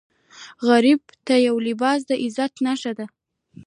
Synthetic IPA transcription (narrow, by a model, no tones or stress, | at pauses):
ɣaɾib̚t̪ajawlɪbɑs̬d̪əʔɪzat̪naʃad̪a